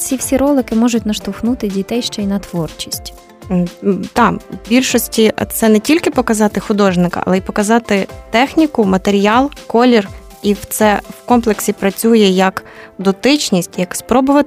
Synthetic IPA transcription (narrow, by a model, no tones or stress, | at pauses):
sʲiwsʲiɾɔlˠɪkɪmɔʒʊtʲnɐʃt̪ʊxnut̪ɪdʲit̪ɛjʃt͡ʃɛinɐt̪ʋɔrt͡ʃi̥sʲtʲ | t̪ɑbʲilʲʃɔsʲtʲit̪sɛnɛtʲilʲkɪpɔkɐzɑt̪ɪxʊd̪ɔʒnɪkɐ̰ɐ̰lˠɛipɔkɐzɑt̪ɪt̪ɛxnʲikʊmɐt̪eɾʲijɑlˠkɔlʲir | iwt̪sɛwkɔmplˠeksʲipɾɐt͡sʲujɛjɐkd̪ɔt̪ɪt͡ʃʲnʲisʲtʲjɐkspɾɔbʊʋɐ